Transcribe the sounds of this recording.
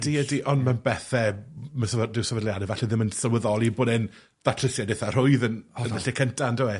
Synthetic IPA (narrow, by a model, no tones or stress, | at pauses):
d̥iədiʔɔnmanbɛθɛməsəvdɪwsəvədlˠjadɛvaɬɛðɪmənsəlˠwəðɔlˠiboːdɪn | ðatʰrɪsjadɪθar̥ʊɨðənənəɬɛkʰəntʰandɪwɛ